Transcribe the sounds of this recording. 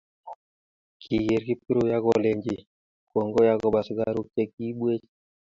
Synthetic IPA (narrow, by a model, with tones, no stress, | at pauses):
kʰi˨ɡe˨ɾki˦pi˦ɾo˦ja˦kɔ˨le˨ɲd͡ʒi˨ | kwo˨ŋɡo˦ja˦kɔ˨ba˨sɡa˨ɾu˦k̚t͡ʃe˦ki˦ɓwe˦t͡ʃ